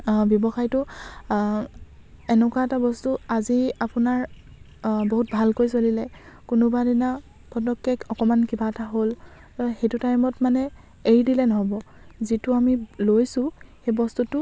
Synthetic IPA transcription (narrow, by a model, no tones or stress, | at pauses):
bjɔbɔxajtʊ | ɛnɛkwaɛtabɔstuaziapunaɹ | boɦut̚bʱalkojsolilɛkunʊbadina | pʰɔdɔkːɛkɔkɔmankibataɦol | xejtutajmɔtmanɛ | eɹidilɛnɔɦɔbɔzitʊamilojsʊ̃xejbɔstutʊ